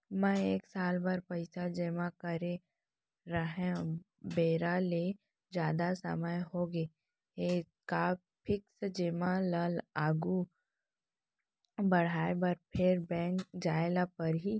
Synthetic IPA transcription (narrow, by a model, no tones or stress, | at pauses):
mɛ̃eːksaːlbaɾpɐɪsad͡ʒɪmakəɾe | ɾəɦẽ | beːɾale | d͡ʒjaːd̪asə̰məjɦoɡeː | e | ka | pʰɪksd͡ʒɪmaləlaːɡu | bɐɽ̤aːebəɾpʰɪɾbɛ̃ːŋkd͡ʒaːelapəɾɦi